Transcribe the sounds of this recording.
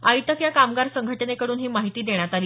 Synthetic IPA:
ait̪əkjakamɡaɾsəŋɡʱəʈnekəɽuːnɦiːmaɦit̪iːd̪eɳ̃jat̪aɾi

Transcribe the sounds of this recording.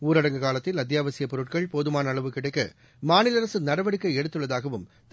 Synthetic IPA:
uːɾɐɽɐŋɡɐkaːlɐt̪ːɪlɐd̪jaːʋɐsɪjɐpːɔɾɯʈ̚kɐɭpoːðɯmaːnɐɐɭɐʋɯkɪɽɐɪkːɐ | maːnɪlɐɾɐsɯnɐɾɐʋɐɽɪkːɐɪɛɽɯt̪ːɯɭːɐðaːɣɐʋɯm | t̪

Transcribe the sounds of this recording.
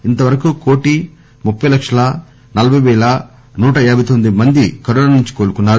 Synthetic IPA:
int̪ɐʋɐɾɐkuko̞ːʈi | mupːɐjlɐkʂɐlɐ | nɐlɐbʱɐjʋɛːɭɐ | nuːʈɐɛːɾbʱɐjt̪ond̪imɐnd̪ikɐɾunɐɐnuɲt͡ʃi̥ko̞ːɾukunːaːɾu

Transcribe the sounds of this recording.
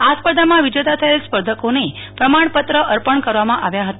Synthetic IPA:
aspəɾd̪ʱamãʋid͡ʒət̪at̪ʰəelspəɾd̪ʱəkonepɾəmaɳ̃pət̪ɾəʔəɾpəɳkəɾʋamãʔaʋjaɦət̪a

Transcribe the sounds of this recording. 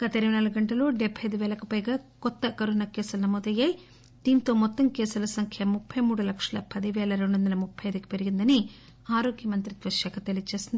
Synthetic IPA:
ɡ̥ɐt̪ɐiɾɐʋɐnaluɡuɡɐɳʈɐlo̞ːɖɛbʱːɐjɐd̪uʋɛːlɐkupɐjɡaːkɔt̪ːɐkɐɾunɐkɛːsulɐnɐmoːd̪ɐjːaːji | d̪̥iːnt̪o̞ːmɔt̪ːɐmkɛːsulɐsɐŋkʰjɐmupʰːɐjmuːɽulɐkʂɐlɐ̰pɐd̪iʋɛːlɐɾe̞ɳɖuʋɐnd̪ɐlɐmupʰːɐjɐjd̪uki̥pe̞ɾiɡind̪ɐni | aːɾoːɡjɐmɐnt̪ɾit̪ʋɐʃɐkʰɐt̪elijt͡ʃeːsind̪i

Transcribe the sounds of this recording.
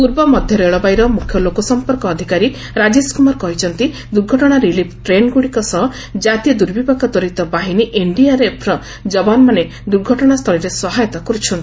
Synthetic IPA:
puɾbɔmɔd̪ʱjɔɾeɭɔbajɾɔmukʰjɔlokɔsɔmpɔɾkɔːd̪ʱikaɾi | ɾad͡ʒeskumaɾkɔɦit͡ʃʰɔnt̪i | d̪uɾɡʱɔʈɔɽ̃aɾilipʰʈɾenɡuɽikɔsɔɦ | d͡ʒat̪iɔd̪uɾbibakɔd̪ɔɾit̪ɔbaɦiniʔeɳɖiaɾepʰɾɔ | d͡ʒɔbanmane | d̪uɾɡʱɔʈɔɽ̃ast̪ʰɔɭiɾesɔɦajɔt̪ɔkɔɾut͡ʃʰɔnt̪i

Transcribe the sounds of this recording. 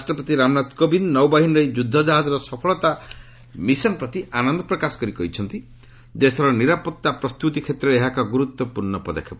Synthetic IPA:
ɾasʈɾɔpɔt̪iɾamnat̪kobinnɔwbaɦinɾɔjd͡ʒud̪ʱːɔd͡ʒaɦad͡ʒɔɾɔsɔpʰɔɭɔt̪a | misɔnpɾɔt̪ianɔnd̪ʱɔpɾɔkasɔ̥kɔɾikɔɦit͡ʃʰɔnt̪i | d͡ʒest̪ʰɔɾɔniɾapɔt̪ːapɾɔst̪ut̪ikʰet̪ɾɔeeɦakɔɡuɾut̪wɔpuɾɳɔpɔd̪a̰kʰːapɔ

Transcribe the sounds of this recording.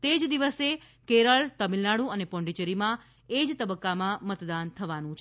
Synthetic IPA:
t̪ed͡ʒd̪iʋəse | keɾəɭt̪əmilnaɽũənepɔ̃ɳɖit͡ʃəɾimã | ed͡ʒt̪əbəkːamãmət̪d̪ant̪ʰəʋanũt͡ʃʰ

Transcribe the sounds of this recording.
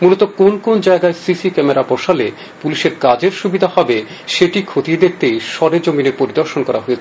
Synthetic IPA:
mulot̪okonkond͡ʑaeɡaesisikɛmeɾapɔʃale | puliʃeɾkad͡ʑeɾʃubid̪ʱahɔbe | ʃeʈikʰot̪ied̪ek̚ʰt̪ejʃɔɾed͡ʑomineɾpoɾid̪oɾʃonkɔɾa̰ɦoet͡ɕʰe

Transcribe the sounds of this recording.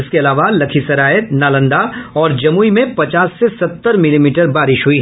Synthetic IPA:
ɪskeɐlaːʋalɐkʰisɐɾaːət̪naːlə̃nd̪aɔːɾd͡ʒɐmuːimẽpɐt͡ʃaːsːesɐt̪ːəɾmɪlimiːʈəɾbaːɾɪʃɦʊiɦ

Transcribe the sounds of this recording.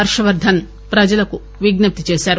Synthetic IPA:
ɐɾʂɐʋɐɾd̪ʱɐn | pɾɐd͡ʒɐlɐku | ʋiɡnɐp̚t̪it͡ʃeːʃaːɾu

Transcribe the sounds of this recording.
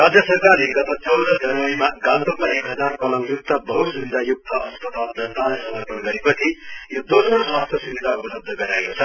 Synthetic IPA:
rad͡zjʌsʌrkarleɡʌt̪at͡sʌwd̪ʌd͡zʌnʌimaɡant̪umaekɦʌd͡zarkʌlʌŋjuk̚t̪ʌbʌɦusubid̪ʱajuk̚t̪ʰʌʔʌspʌt̪ald͡zʌnt̪alajsʌŋʌpʌnɡʌɾepʌt͡sʰijod̪osroswast̪ʰjʌsubid̪ʱaobʌɾʌb̚d̪ʱʌɡʌɾaekot͡sʰʌ

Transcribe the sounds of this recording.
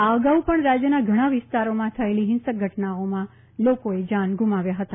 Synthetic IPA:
aəɡaupəɳɾad͡ʒjənaɡʱəɽ̃ãʋɪst̪aɾomãt̪ʰəeliɦɪnsək̚ɡʱəʈnaomã | lokoed͡ʒanɡʱumaʋjaɦət̪a

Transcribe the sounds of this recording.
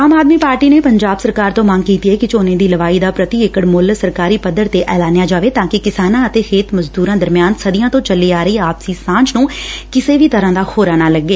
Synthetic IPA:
aːmaːd̪miːpaːɾʈiːneːpəɲd͡ʒaːbsəɾkaːɾt̪õːmə̃ŋɡkiːt̪iɛːkɪt͡ʃoːnẽːd̪iːləʋaːiːd̪aːpɾət̪iːɪkəɽmʊlsəɾkaːɾiːpəd̪əɽt̪eːʔɛːlaːnejaːd͡ʒaːʋeːt̪ãːkɪkɪsaːnãːət̪eːheːt̪məzd̪uːɾãːd̪əɾmɪjaːnsəd̪ɪjãːt̪õːt͡ʃəliːaːɾəiːaːpsiːsãːt͡ʃnũːkɪseːʋiːt̪əɾãːd̪aːhoːɾaːnaːləɡːeː

